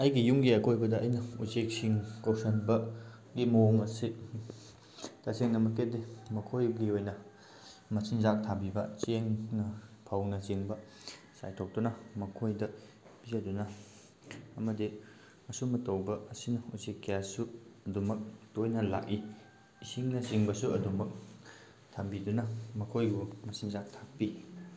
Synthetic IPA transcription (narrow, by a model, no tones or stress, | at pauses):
ɐjɡijuŋɡiɐkʰojbɐdɐɐjnɐuzek̚siŋkowsɐnbɐ | ɡimoŋɐsi | taseŋnɐmɐkedimɐkʰojɡiojnɐ | mɐsʰiŋzak̚tʰabibɐt͡ʃeŋnɐpʰɐwnɐt͡ʃeŋbɐ | sa̰jtʰok̚dunɐmɐkʰojdɐ | pizɐdunɐ | ɐmɐdi | mɐsumɐtɐwbɐɐsinɐusekːejassuɐdumɐk̚tojnɐla̰ki | isiŋnɐsiŋbɐsuɐdumɐk̚ | tʰambidunɐmɐkʰojɡumɐsiŋzak̚tʰak̚pi